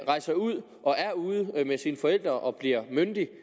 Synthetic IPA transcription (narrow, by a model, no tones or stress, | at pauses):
ʁɑ̈ɪsɐuð̞̰ˠ | ʔɒ̽ʔæɐuːð̞̩ˠmesiːnfɒ̽el̰d̥ʁɐʔɒ̽b̥liɐ̰mønd̥i